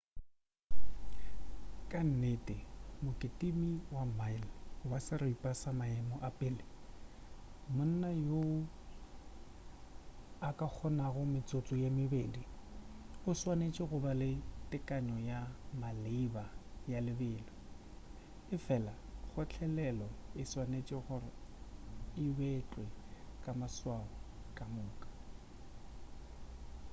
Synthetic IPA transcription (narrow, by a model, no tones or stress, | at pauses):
kʼan̩netʼɪmʊkʼɪtʼimiwamaɪlwasɪriipʼasamaɛmɔʔapʼɪlɪ | mʊn̩najoʊ | akʼak͡xʰɔnaɣʊmɪt͡sʼot͡sʼɔjamɪbeːdi | ʊswanet͡ʃʼɪɣʊbalɪtʼɪkʼaɲɔjamalɪbajalɪbɪːlɔ | ɪfɛlaɣʊt͡ɬʰɛlɛlɔɪswanet͡ʃʼɪχʊrɪ | ɪbet͡ɬʼwɛkʼamaswaʊkʼamʊːkʼḁ